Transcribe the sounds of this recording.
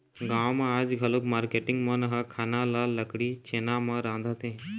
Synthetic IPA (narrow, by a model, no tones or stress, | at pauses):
ɡãwmad͡zɡʱalukmaɾkeʈiŋɡmənɦakʰanalaləkɽit͡ɕʰenamaɾãnd̪ʱat̪ẽ